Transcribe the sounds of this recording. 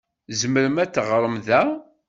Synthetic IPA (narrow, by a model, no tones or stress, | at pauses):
zəməɾəmæt͡s̪ːʁəɾˤəmðæ